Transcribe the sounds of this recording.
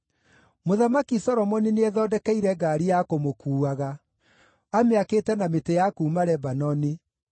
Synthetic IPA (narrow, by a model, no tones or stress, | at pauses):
moðamakisɔɾɔmɔnineɛðɔdɛkɛiɾɛɡaːɾijakomokuːaɣa | ameaketɛnametejakuːmaɾɛbanɔni